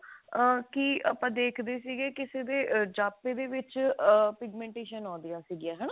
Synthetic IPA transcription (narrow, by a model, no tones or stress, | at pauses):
əkia̰pãːd̪eːkʰd̪eːsiːɡeːkɪseːd̪eːd͡ʒaːpeːd̪eːʋɪt͡ʃpɪɡmɛ̃ːɳʈeːʃənɔ̃ːnd̪ɪjaːsiːɡɪjaːɦɛːnaː